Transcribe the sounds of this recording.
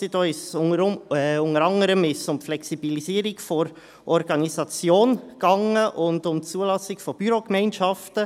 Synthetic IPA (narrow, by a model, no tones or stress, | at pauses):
sidoːɪʃəɾʊŋəɾɑŋəɾəmɪʃsʊmflɛksibiliziːɾɪɡfɔɾ | ʔɔɾɡɑnizɑt͡sjoːnɡ̥ɑŋəʔʊndʊmt͡suːəlɑsɪkfɔb̥yɾokmɛɪnʃɑftə